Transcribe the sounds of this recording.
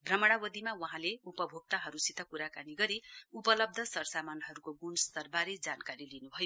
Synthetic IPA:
bʱrʌmʌɽ̃awʌd̪imawʌɦãleupʌbʱoɡ̚t̪aɦʌɾusit̪ʌkuɾakaniɡʌɾiupʌlʌb̚d̪ʱʌsʌrsamanɦʌɾukoɡunst̪ʌrbaɾed͡zankaɾilinubʱʌjo

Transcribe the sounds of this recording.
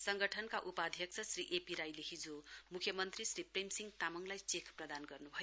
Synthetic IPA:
sʌŋɡʌʈʰʌnkaʔupad̪ʱjʌk̚t͡sʰʌsriʔepiɾajleɦid͡zomukʰjʌmʌnt̪risripremsiŋt̪amʌŋlajt͡sekʰprʌd̪anɡʌrnubʱʌjo

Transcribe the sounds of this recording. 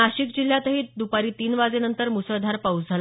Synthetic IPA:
aɕiːkd͡ʑil̤ːjat̪əɦiːd̪upaɾiːt̪iːnʋad͡zenənt̪əɾmusəɭd̪ʱaɾpawt͡sd͡zʱal

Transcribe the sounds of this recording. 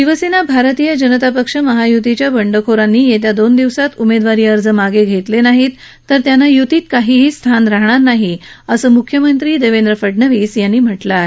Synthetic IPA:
ʃiʋəsinabʱaɾt̪ijəd͡ʑənət̪apəkʂəməɦajut̪it͡ɕjabəɳɖəkʰoɾanːiːjet̪̬jad̪ond̪iʋsat̪umed̪ʋaɾiːəɾd͡zəmaɡeɡʱet̪lenaɦiːt̪ː | əɾt̪janːajut̪iːt̪̚kaɦiːɦiːst̪ʰanɾaɦɳ̃aɾnaɦi | əsəːmukʰːjəmənt̪ɾiːd̪eʋend̪ɾəfəɖnəʋiːsjanːiːm̤əʈla

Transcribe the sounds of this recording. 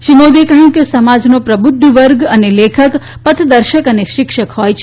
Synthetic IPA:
ʃimod̪ekəɦũkesəmad͡ʒnopɾəbʊd̪ʱːəʋəɾɡənelekʰək | pət̪ʰd̪əɾʃəkəneʃɪkʃəkhojt͡ʃʰ

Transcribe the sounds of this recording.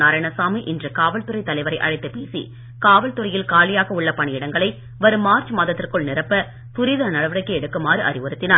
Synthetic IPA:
naːɾɐɳɐsaːmiʔɪndrɯkaːʋɐlt̪ʊrɐɪt̪ːɐlɐɪʋɐɾɐɪʔɐ̰ɻɐɪt̪ːɯpeːsḭ | kaːʋɐlt̪ʊɾɐjɪlkaːlɪjaːɣɐʊɭːɐpɐɳɪjɪɽɐŋɡɐɭɐɪ | ʋɐɾɯmaːɾt͡ʃmaːðɐt̪ːɪrkɯɭnɪrɐpːɐ | t̪ʊɾɪðɐnɐɽɐʋɯɾɐɪkːɯɛɽɯkːɯmaːɾɯʔɐ̰rɪʋɯɾɯt̪ːɪnaː

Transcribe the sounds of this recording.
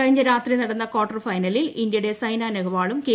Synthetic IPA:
ɐɻiɲːɐɾaːt̪rinɐɽɐnːɐkoːʈːɐrfɐjnɐlilind̪jɐuɽe̞sɐjnaːnɐɣɐʋaːɭumke

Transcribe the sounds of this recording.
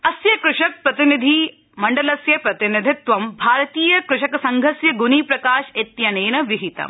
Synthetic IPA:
ɐsjɐkɾʊʂɐk̚pɾɐt̪inid̪ʱi | mɐɳɖɐlɐsjɐpɾɐt̪inid̪ʱɪt̪ʋɐmbʱaːɾɐt̪iːjɐkɾʊʂɐkɐsɐŋɡʱɐsjɐɡunipɾɐkaːʃet̪jɐneːnɐʋiɦit̪ɐ̰m

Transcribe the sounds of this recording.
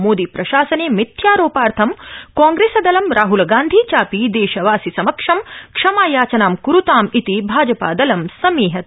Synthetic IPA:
moːd̪ipɾɐʃaːsɐneːmit̪jaːɾoːpaːɾt̪ʰɐmkaːŋɡɾeːsɐd̪ɐlɐmɾaːɦulɡaːnd̪ʱiːt͡ʃaːpid̪eːʃɐʋaːsisɐmɐkʂɐmkʂɐmaːjaːt͡ʃɐnaːmkuɾut̪aːmit̪ibʱaːd͡ʒɐpa̰ːd̪ɐlɐmsɐmiːɦɐt̪

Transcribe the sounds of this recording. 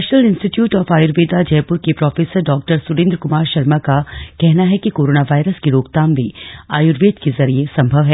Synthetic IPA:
ʃnəlɪ̃nsʈɪʈjuːʈɔːfaːjʊɾʋeːd̪ad͡ʒɛːpʊɾkepɾɔːfeːsəɾɖɔːk̚ʈəɾsʊɾẽːnd̪ɾkʊmaːɾʃɐɾmakakɛɦnaɦɛkikoːɾoːnaʋaːɪɾəskiɾoːkt̪aːmbʱiaːjʊɾʋeːd̪kezɐɾiesɐ̃mbʱɐʋɦɛː

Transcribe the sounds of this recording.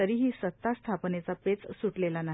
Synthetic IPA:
əɾiːɦiːsət̪ːast̪ʰapnet͡sapet͡ssuʈlelana

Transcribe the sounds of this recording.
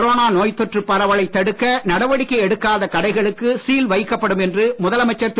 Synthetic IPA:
ɾoːnaːnoːjt̪ːɔʈrɯpːɐɾɐʋɐɭɐɪt̪ːɐɽɯkːɐnɐɽɐʋɐɽɪkːɐɪɛɽɯkːaːðɐkɐɽɐɪɣɐɭɯkːɯsiːlʋɐɪkːɐpːɐɽɯmɛndrɯmʊðɐlɐmɐɪt͡ʃːɐɾt̪

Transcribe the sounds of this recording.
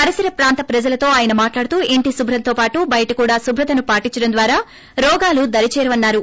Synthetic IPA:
ɐɾɐsɐɾɐpɾaːnt̪ɐpɾɐd͡ʒɐlɐt̪o̞ːaːjɐnɐmaːʈlaːɽut̪uːʔiɳʈisubʱɾɐnt̪o̞ːpaːʈubɐjɐʈɐkuːɽaːsubʱɾɐt̪ɐnupaːʈiɲt͡ʃːɐɽɐmnd̪ʋaːɾaː | ɾɔːɡaːlud̪ɐɾit͡ʃɛːɾɐʋɐnːaːɾu

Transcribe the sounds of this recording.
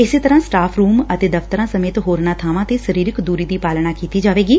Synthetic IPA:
ɪseːt̪əɾãːsʈaːpʰɾuːmət̪eːd̪əft̪əɾãːsəmeːt̪ɦoːɾnaːt̪ʰaːʋãːt̪eːsəɾiːɾɪkd̪uːɾiːd̪iːpaːlnaːkiːt̪iːd͡ʒaːʋeːɡiː

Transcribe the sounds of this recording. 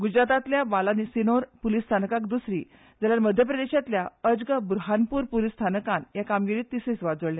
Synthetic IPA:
ɡud͡ʑɾat̪at̪ljaʋalanisinoɾpulist̪ʰanəkakd̪usɾḭː | d͡zaljaɾməd̪ʱjəpɾəd̪eɕat̪ljaəd͡zɡəbɾuɦanpuːɾpulist̪ʰanəkãnjakamɡiɾiːt̪ːisit͡sʋad͡zəɭlja

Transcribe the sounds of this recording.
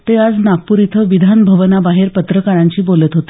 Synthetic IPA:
t̪ead͡znak̚puɾit̪ʰəʋid̪ʱanbʱəʋənabaɦeɾpət̪ɾəkaɾãɲt͡ɕiːbolət̪ɦot̪e̥

